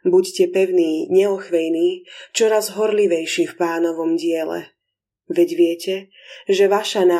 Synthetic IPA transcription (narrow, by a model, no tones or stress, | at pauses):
buccɛpɛʊniːɲɛɔxʋɛjniːt͡ʃɔɾazɦɔɾliʋɛjʃifpaːnɔʋɔmɟɪɛlɛ̰ | ʋɛɟʋɪɛcɛ | ʒɛʋaʃana